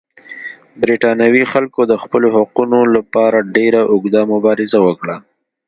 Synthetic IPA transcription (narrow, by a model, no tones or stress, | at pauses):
bɾiʈɑnawixalkod̪əxpəlohaqunolapɑɾaɖeɾaʔʊɡd̪amʊbɑɾɪzawəkɽa